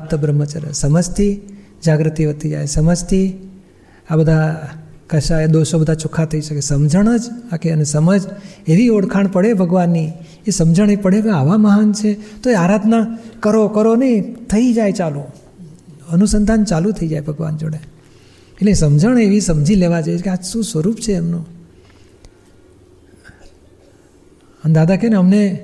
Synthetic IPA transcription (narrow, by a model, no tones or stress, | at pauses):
ap̚t̪əbɾəmːət͡ʃaɾjə̰səməd͡ʒt̪ʰi | d͡ʒaɡɾət̪iʋət̪id͡ʒa̰jsəməd͡ʒt̪ʰi | abəd̪ʱakəʃaed̪oʃobəd̪ʱat͡ʃukʰat̪ʰəiʃəkesəmd͡ʒʱəɳ̃əd͡ʒakeənesəməd͡ʒeʋioɽkʰaɳ̃pəɽebʱəɡʋanːi | esəmd͡ʒəɳ̃epəɽekeaʋaməɦənt͡ʃʰet̪oeaɾad̪ʱnakəɾokəɾonet̪ʰəid͡ʒajt͡ʃalu | ənusənd̪ʱant͡ʃalut̪ʰəid͡ʒajbʱəɡʋa̰nd͡ʒoɽe | eʈlesəmd͡ʒʱəɳ̃eʋisəmd͡ʒʱileʋad͡ʒajeekeaʃũsʋəɾupt͡ʃʰeːmno | ənd̪ad̪ʱakeneəmne